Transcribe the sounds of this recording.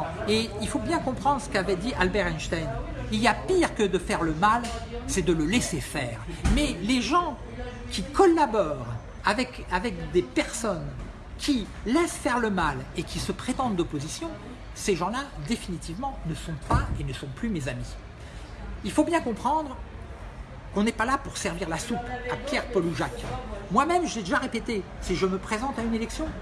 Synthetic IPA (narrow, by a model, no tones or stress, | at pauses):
eilfobjɛ̃kɔ̃pχɑ̃d̪ʁsə̥kavɛd̪iʔalbɛʁɛnʃt̪ajniliapiʁkəd̪əfɛʁləmalsɛd̪ələlɛsefɛːʁmɛleʒɑ̃ | kʲikɔlabɔːʁ | avɛk | avɛkd̪epɛʁsɔn | kʲʰi | lɛsfɛʁləmalekʲisəpχet̪ɑ̃d̪d̪ɔpozisjɔ̃ | seʒɑ̃lad̪efinit̪ivmɑ̃nəsɔ̃paenəsɔ̃plymezami | ilfobjɛ̃kɔ̃pχɑ̃d̪ʁ | kɔ̃nɛpalapuʁsɛʁviʁlasupapjɛʁpɔluʒakmwamɛmʒəlɛd̪eʒaʁepet̪esiʒəməpχezɑ̃t̪aynelɛksjɔ̃